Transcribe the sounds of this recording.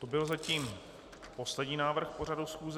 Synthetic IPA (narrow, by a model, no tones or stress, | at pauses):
t̪obɪlzaciːm | po̞slɛɟɲiːnaːvr̩xpo̞ɾ̝adusxuːz